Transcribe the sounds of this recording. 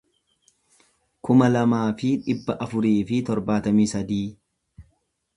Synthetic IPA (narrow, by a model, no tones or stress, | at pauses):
kʊmɐlɐmaːfɪᶑɪbːɐʔɐfʊɾiːfɪt̪ɔɾbaːt̪ɐmiːsɐd̪iː